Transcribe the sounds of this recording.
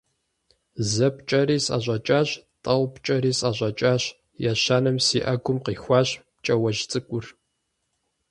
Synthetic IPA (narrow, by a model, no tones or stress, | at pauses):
zɐpt͡ʃʼɐɾiːsʼɐ̰ʑʷʼɐt͡ʃʼaːɕtʼɐwpt͡ʃʼɐɾiːsʼʔɐʑʷʼɐt͡ʃʼaːɕ | jaɕaːnɨmsiːʔɐɡʷʊmqiːxʷɑːɕpt͡ʃʼɐwɐʒt͡sʼɨkʷʼʊr